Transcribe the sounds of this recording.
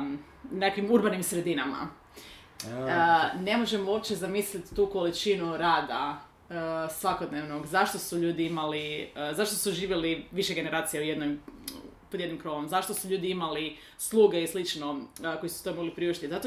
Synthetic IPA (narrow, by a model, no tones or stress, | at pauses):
nekʋimuɾbanimsɾe̞d̪inama̰ | nemo̞ʒe̞moopt͡ʃezamislit̪t̪ːuːkolit͡ʃinuɾaːd̪a | sʋakod̪neʋnoɡzaʃt̪o̞suʎuːd̪iimalizaʃt̪o̞suʒiːʋjeliʋiʃeɡe̞ne̞ɾaːt̪sijaujed̪nojm | pod̪jed̪nimkɾo̞ʋomzaʃt̪osuʎuːd̪iimali | slˠuːɡe̞islit͡ʃnokojisu̥st̪ojmo̞ɡlipɾiuʃt̪izat̪o